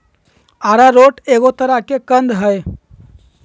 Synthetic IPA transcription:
aːɾaɾoːʈeɡot̪əɾakekə̃nd̪ɦəj

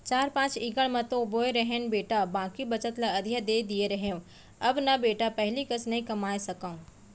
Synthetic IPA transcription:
t͡ɕaːɾpãːt͡ʃiːɡəɽ̃mɐ̃t̪oboːeɾɐɦenɪ̆beːʈabãːkibɐt͡ɕət̪laɐd̪ʱijad̪eːd̪ieɾɐɦjõ | ɐbnɐbeːʈapɐɦɪlikɐsnɐĩkɐmaːesɐkã

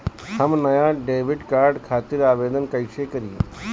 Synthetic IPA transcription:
hɐmnɐjaɖeːʋɪɖkaːɾɖkʰaːt̪ɪɾaːʋeːd̪ənkəɪʃekɐɾḭ

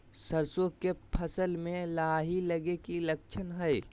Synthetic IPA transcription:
səɾsõkepʰɐsəlmẽlaɦilɐɡekilək̚t͡ʃʰənɦɛe

